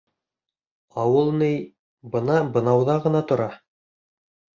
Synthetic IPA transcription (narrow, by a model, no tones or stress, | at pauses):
ɑwɤlˠnɤj | bɤ̆nɑbɤ̆nɑwðɑʁɤ̆nɑt̪ŏɾɑ